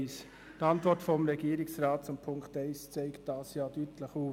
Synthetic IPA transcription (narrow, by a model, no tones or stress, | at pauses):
s | d̥ɑntvɔɾtfɔmɾɛɡiːɾɪksʁaːt̚t͡sʊmpʰʊŋkteɪst͡seɪkt̚d̥ɑːsjaːdyːtʰləχuː